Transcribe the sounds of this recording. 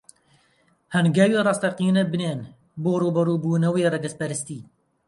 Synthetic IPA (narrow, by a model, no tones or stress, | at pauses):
hɐnɡawiːrɑːst̪ɐqiːnɐbɨneːn | boːruːbɐɾuːbuːnɐwiːrɐɡɨspɐɾɨst̪iː